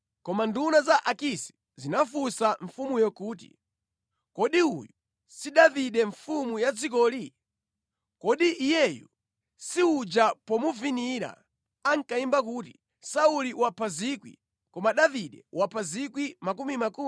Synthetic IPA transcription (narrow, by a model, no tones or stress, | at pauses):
kɔmandunazaʔakisɛ̥ | zinafusaɱfumujɔkuːt̬ḭ | kɔɗiuju | siɗaviɗɛɱfumujad͡zik̬ɔːli | kɔɗiʔːjɛjṵ | siud͡ʒapɔmuviniɾa̰ | aŋkaimbak̬uːti | sauliwapʰazikwḭ | kɔmaɗaviɗɛwapʰazikwimakumimaku